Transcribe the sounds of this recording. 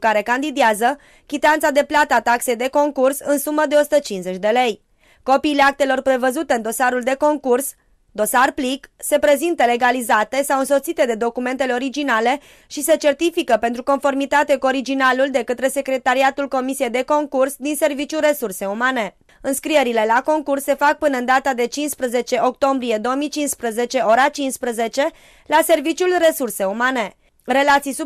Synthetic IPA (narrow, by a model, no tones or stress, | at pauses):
kaɾe̞kand̪id̪iazə | kʲit̪eant̪sad̪e̞plat̪əat̪akse̞jd̪e̞ko̞ŋkursɨnsuməd̪e̞osu̥t̪ət͡ʃinze̞t͡ʃʲd̪e̞le̞j | ko̞piːleak̚t̪e̞lo̞rpɾe̞vəzut̪eɨnd̪o̞saɾuld̪e̞ko̞ŋkurs | d̪o̞sarplikse̞pɾe̞zint̪əle̞ɡalizat̪e̞sawɨnso̞t̪sit̪e̞d̪e̞d̪o̞kume̞nt̪eleo̞ɾid͡ʒinale̞ | ʃise̞t͡ʃe̞rt̪ifikəpe̞nt̪ɾuko̞nfo̞rmit̪at̪e̞kuo̞ɾid͡ʒinaluld̪e̞kət̪ɾe̞se̞kɾe̞t̪aɾiat̪ulko̞misije̞jd̪e̞ko̞ŋkursd̪inse̞rvit͡ʃʲure̞surse̞umane̞ | ɨnskɾieɾile̞lako̞ŋkursːe̞fak̚pɨnəɨnd̪at̪ad̪e̞t͡ʃinspɾəze̞t͡ʃe̞ʔo̞k̚t̪o̞mbɾije̞d̪o̞omijt͡ʃinspɾəze̞t͡ʃe̞o̞ɾat͡ʃinspɾəze̞t͡ʃe̞ | lase̞rvit͡ʃjulre̞surse̞umane̞ | re̞lat̪sijsu